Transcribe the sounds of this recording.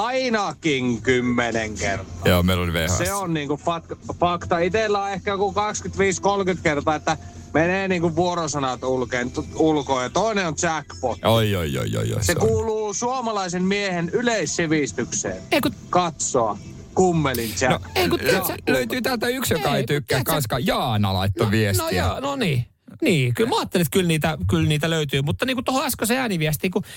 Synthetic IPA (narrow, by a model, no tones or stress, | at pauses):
ɑinɑkiŋkymːeneŋkert̪ojoːmeilolʲʋḛhɑsseonniːŋkufɑk̪fɑkt̪ɑit̪elːæːehkæjkukɑkskyt̪ʋiːskolkyt̪kert̪ɑːet̪ːæ | meneːniːŋkuʋʋuorosɑnɑt̪ulkeːnt̪ulkoːjɑt̪oˑineont͡ʃækpot̪ojo̰jo̰jo̰jo̰sekuːluːsuomɑlɑisemmiehenyleissiʋist̪yksḛːneikukɑt̪soɑ | kumːelintænokeikuseløyt̪yːt̪ælt̪æyksjokɑeit̪ykːæːkɑnskɑjɑːnɑ̰lɑ̰it̪ːoʋiesnojɑnoniː | niːkylmæɑːt̪ːelit̪kylniːt̪ækylniːt̪æløyt̪yːmut̪ːɑniːkut̪ohoɑskoseæːniʋiæst̪iːku